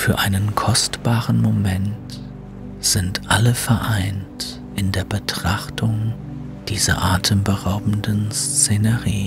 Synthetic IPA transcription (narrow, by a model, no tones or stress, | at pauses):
fyːɐʔaɪnənkʰɔstb̥aːʁənmomɛnt | z̥ɪntʔaləfɛɐʔaɪnt | ʔɪndeːɐbətʁ̥aχtʰʊŋ | d̥iːzɐ̰ʔaːtʰəmbəʁaʊbm̩dənst͡seːnəʁiː